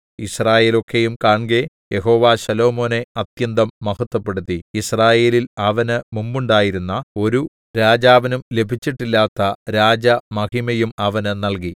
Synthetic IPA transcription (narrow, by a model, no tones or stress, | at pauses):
israːje̞ːlo̞kːejumkaːɳɡe̞ | je̞ɦo̞ːʋaːɕɐlo̞ːmo̞ːne̞ɐt̪jɐnd̪ɐmːɐhɐt̪ːɐpːe̞ɽut̪ːiisraːje̞ːlilɐʋɐnɨmumbuɳɖaːjiɾunːɐo̞ɾu | ɾaːd͡ʑaːʋɐnumle̞bʱit͡ɕːiʈːilːaːt̪ːɐɾaːd͡ʑɐmɐhimɐjumɐʋɐnɨnɐlki